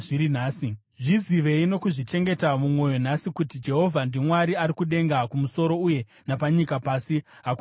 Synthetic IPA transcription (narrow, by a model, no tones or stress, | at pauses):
ʐiɾinaːsi | ʐiziʋe̞ino̞kuʐit͡ʃe̞ŋɡe̞tamumwo̞jo̞nasikutid͡ʒe̞ɦo̞vʱandimwaɾiaɾikuɗe̞ŋɡakumuso̞ɾo̞uje̞ | napaɲikapaːsi | ɦak